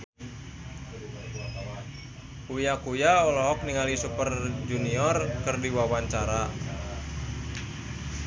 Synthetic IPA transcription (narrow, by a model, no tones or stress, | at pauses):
kujakujaɔlɔɦɔk̚niŋalisupərd͡ʒuniɔrkɨrdiwawaɲt͡ʃaɾa